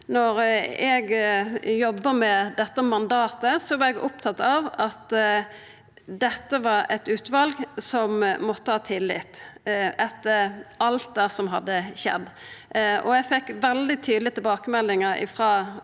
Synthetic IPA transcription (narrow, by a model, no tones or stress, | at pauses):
nɔɾɛɡjɔbːəmɛd̪ɛt̪ːəmɑnd̪ɑːt̪əsɔʋɑɾɛɡʊpt̪ʰɑt̪ːɑʋɑt̪ | d̪ɛt̪ːəʋɑɾɛt̪ʉːt̪ʋɑlɡsɔmmɔt̪ːəhɑːt̪ʰɪlːɪ̰t̪ɛt̪ːəɾɑlt̪̚d̪æːsɔmɦɑ̰d̪ːəɕɛ̰d̪ː | ɔ̰ɛɡfɛkːʋɛld̪ɪt̪ʰyːd̪lɪət̪ɪlbɑːkəmɛlːɪŋəɾɪ̰fʁɑː